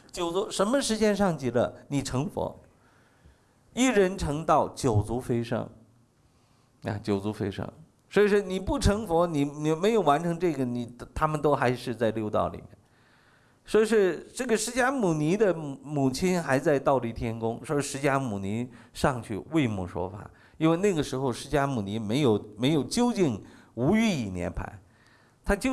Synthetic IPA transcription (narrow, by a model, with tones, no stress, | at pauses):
t͡ɕjo˨˩ʊt͡su˧˥ʂə˧˥nmə˧ʂɻ̩˧˥t͡ɕjɛ˥nʂɑ˥˧ŋt͡ɕi˧˩lə̰˧˩ni˨˩ʈ͡ʂʰɤ˧˥ŋfwɔ̰˧˥ | i˥˩ɻə˧˥nʈ͡ʂʰɤ˧˥ŋt̪ɑ˥˩ʊt͡ɕjo˨˩ʊt͡su˧˥fe˥ɪʂɤ̰˥ŋ | ja̰˥˧t͡ɕjo˨˩ʊt͡su˧˥fḛ˥ɪʂɤ̰˥ŋ | swɔ˧˥i˨˩ʂɔ˥˩ni˨˩pu˥˩ʈ͡ʂʰɤ˧˥ŋfwɔ˧˥ni˨˩ni˨˩me˧˥ɪjo˨˩ʊwa˧˥nʈ͡ʂʰɤ˧˥ŋʈ͡ʂɤ˥˩ɡə˩ni˨˩t̪ʰa˥mə˨nt̪o˥ʊxa˧˥ɪʂɻ̩˥˧t͡sa˥˧ɪljo˥˧ʊt̪ɑ̰˥˩ʊlḭ˨˩mjɛ̰˥˩n | swɔ˧˥i˨˧˩ʂɻ̩˥˧ʈ͡ʂɤ˥˩ɡə˩ʂɻ̩˧˥t͡ɕja˥mu˨˩ni˧˥d̪ə˨mu˨˩t͡ɕʰi˥nxa˧˥ɪt͡sa˥˧ɪt̪ɑ˥˩ʊli˧˩t̪ʰjɛ˥nkʊ˥ŋʂwɔ˧˥i˧˥ʂɻ̩˧˥t͡ɕja˥mu˨˩ni˧˥ | ʂɑ˥˧ŋt͡ɕʰy̰˥˧we˥˧ɪmṵ˥˩ʂwɔ̰˥fa̰˨˩˦ | i˥nwe˥˧ɪna˥˩ɡə˩ʂɻ̩˧˥xo˧ʊʂɻ̩˧˥t͡ɕja˥mu˨˩ni˧˥me˧˥ɪjo˨˩ʊme˧˥ɪjo˨˩ʊt͡ɕjo˥ʊt͡ɕi˥˩ŋ | u˧˥y˥˧i˨˩njɛ̰˧˥npʰa̰˧˥ɪ | t̪ʰa˥t͡ɕo˥˧